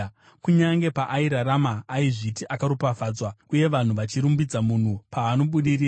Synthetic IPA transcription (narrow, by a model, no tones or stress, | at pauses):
kuɲaŋɡe̞paʔaiɾaɾamaːiʐitiʔakaɾupafaːd͡zwauje̞ʋan̤uʋat͡ʃiɾumbid͡zamun̤upaːno̞ɓuɗiriː